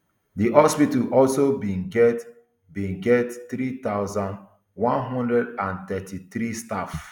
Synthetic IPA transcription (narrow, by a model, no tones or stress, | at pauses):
diʔɔspitalʔɔlsobĩnɡɛt | bĩnɡɛttɾit̪aʊzãnd | wɔ̃nɦɔ̃ndɹɛdãnt̪ɛtʰiθɾistaf